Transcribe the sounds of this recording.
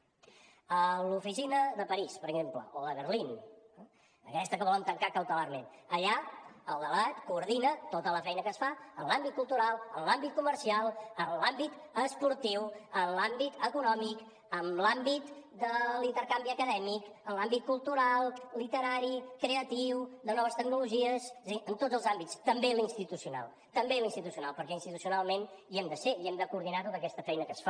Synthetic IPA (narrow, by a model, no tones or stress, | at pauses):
əlufisinəðəpəɾispəɾəɡzemplə̰ʔoðəβərlin | əkɛst̪əkəβɔləmt̪əŋkakəwt̪əlaɾmenəʎaəlˠd̪əβat̪kuːɾðinət̪ot̪ələfɛjnəkəsfaəmlambit̪̚kulˠt̪uɾalˠəmlambit̪̚kuməɾsialˠənlambit̪ | əspuɾt̪iwənlambit̪əkunɔmik | əmlambit̪d̪əlint̪əɾkambiəkəðɛmikənlambit̪̚kulˠt̪uɾalˠlit̪əɾaɾikɾeət̪iwd̪ənɔβəst̪əɡ̚nuluʒiəzzənt̪od͡zəlˠzambitst̪əmbelinst̪it̪usiuna̰lˠ | t̪əmbelinst̪it̪usiuna̰lˠpəɾkɛinst̪it̪usiunalˠmen | iɛmd̪əseiɛmd̪əkuːɾð̞inat̪ot̪əkɛst̪əfɛjnəkəsfa